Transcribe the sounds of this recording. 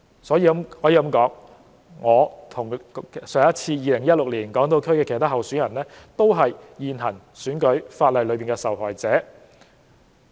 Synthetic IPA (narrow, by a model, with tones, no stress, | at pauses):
sɔː˨˥jiː˧mhɔː˨˥jiː˧kɐ˧˥mkɔː˨˥ŋ | ŋɔː˨˧t̪ʰʊ˨˩ŋsœː˨˧ŋjɐ˥t̚t͡sʰiː˧jiː˨lɪ˨˩ŋjɐ˥t̚lʊ˨k̚liː˨˩nkɔː˨˥ŋt̪o˧wkʰɵ˥ɥkɛː˧kʰːt̪a˥hɐ˨wsyː˨˥jɐ˨˩nlɛː˥t̪o˥wɦɐ˨jːiː˨nɦɐ˨˩n | syː˨˥nkɵ˨˥ɥfaː˧t̚lɐ˨jlɵ˨˧˥piː˨nŋkɛː˧sɐ˨wɦɔː˨˩jt͡sɛː˨˥